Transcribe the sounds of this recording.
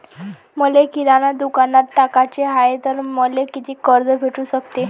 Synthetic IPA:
məlekiɾanad̪ukanaɾʈakat͡ɕeɦaet̪əɾməlekit̪ʰikəɾd͡zəbʱeʈuːɕəkt̪e

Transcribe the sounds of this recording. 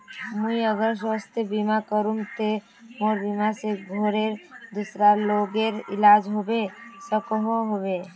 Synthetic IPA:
muiəɡəɾs̬wast̪ebimakəɾumt̪e | moɾbimaseɡʱoɾeɾd̪usɾaloɡeɾɪ̰lad͡ʒɦobesəkɦoɦobe

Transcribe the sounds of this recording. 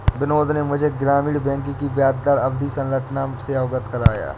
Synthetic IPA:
bɪnoːd̪ʱnemʊd͡ʒʱeɡɾaːmiːɽbɛ̃ːŋkikibjaːd̪̚d̪aɾɐbd̪isɐ̃nɾət͡ʃnaseaːɡət̪kɐɾaːja̰ː

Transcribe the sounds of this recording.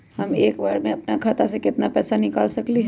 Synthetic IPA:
hɐmeːkbaːɾmẽɐpnakʰaːt̪asekɪt̪napɛːsanɪkaːlsɐkliɦɛ

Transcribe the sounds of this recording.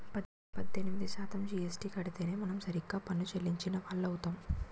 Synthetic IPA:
pɐd̪ | pɐd̪ːenimid̪iʃaːt̪ɐmd͡ʒiːesʈikɐɽit̪e̞ːne̞ːmɐnɐmsɐɾikːaːpɐnːut͡ʃelːiɲt͡ʃinɐʋaːɭːɐwut̪aːm

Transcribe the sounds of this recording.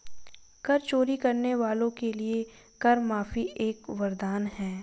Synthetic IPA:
kɐɾt͡ʃoːɾikɐɾneʋaːlõkelie | kɐɾmaːfieːkʋɐɾd̪aːnɦɛː

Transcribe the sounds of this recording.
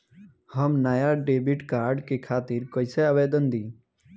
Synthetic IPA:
həmnaːjaɖeːbɪʈkaːɾɖkekʰaːt̪ɪɾkoːɪseaːʋeːd̪ənd̪ĩː

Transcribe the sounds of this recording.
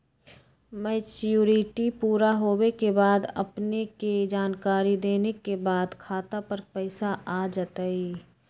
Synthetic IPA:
mɛːt͡ʃjuːɾɪʈipuːɾaɦoːwekebaːd̪ɐ̰pneked͡ʒaːnkaːɾid̪eːnekebaːd̪kʰaːt̪apɐɾpɛɪsaaːd͡ʒət̪aiː

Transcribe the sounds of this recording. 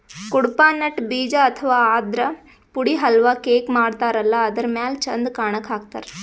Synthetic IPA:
kuɽpaːnːɐʈbiːd͡ʒaɐt̪ʰɐʋaːaːd̪ɾɐ | puɽiɦɐlʋaːkeːkmaːɽt̪aːɾɐlːɐːd̪ɐɾmaːlt͡ʃɐnd̪kaːɳɐkɦaːɡ̚t̪a̰ːɾe

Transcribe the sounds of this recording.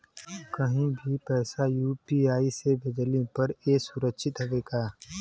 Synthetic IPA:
kɐɦĩbʱipɛːsajuːpiaːisebʱɪd͡ʒlipɐɾeːsʊɾəkʃʰɪt̪ɦoʋeːɡaː

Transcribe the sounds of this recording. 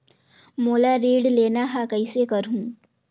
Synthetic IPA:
moːlaɾiːɖleːnaɦaːkəisekɐɾɦũː

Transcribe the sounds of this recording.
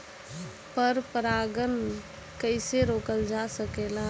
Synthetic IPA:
pəɾpəɾaːɡən | kəɪseɾoːkəld͡ʒasəkeːlaː

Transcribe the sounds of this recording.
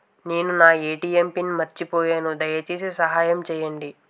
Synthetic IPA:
neːnunaːeːʈiːjempinmɐɾt͡ʃipoːjeːnud̪ɐjɐt͡ʃiːsisɐɦaːjɐmt͡ʃɛːjɐɳɖi

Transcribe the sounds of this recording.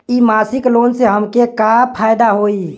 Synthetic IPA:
imasiklonseɦəmkekapʰajd̪aɦoi

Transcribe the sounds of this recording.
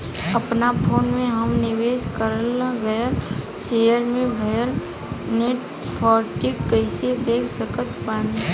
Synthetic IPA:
əpnapʰoːnmẽɦəmnɪʋeːskəɾəlãɡəjəɾ | sejəɾmẽbʱɐjəɾ | neʈ | pʰɔːɾʈɪkːəɪsed̪eːkʰsəkət̪bãːne

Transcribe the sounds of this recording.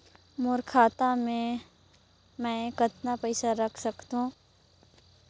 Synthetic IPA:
mʊɾkʰaːt̪amẽ | mɛ̃ːkɐt̪napɐɪsaɾɐkʰsɐkt̪ɦũː

